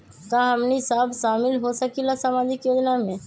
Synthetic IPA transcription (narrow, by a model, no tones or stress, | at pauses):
kaɦəmnisabʃaːmɪlɦosəkilasamaːd͡ʒɪkjoːd͡ʒnamẽ